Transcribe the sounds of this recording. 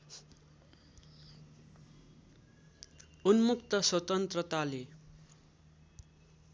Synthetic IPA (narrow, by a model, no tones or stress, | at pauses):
unmukt̪ʌswʌt̪ʌnt̪rʌt̪ale